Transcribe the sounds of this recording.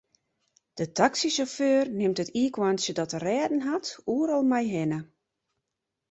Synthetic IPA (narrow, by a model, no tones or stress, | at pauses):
d̥ətʰaksisoføːrnɪmtətiəkwansjədɔtərɛːdən̩ɦatuəɾɔlˠmajɦɪnə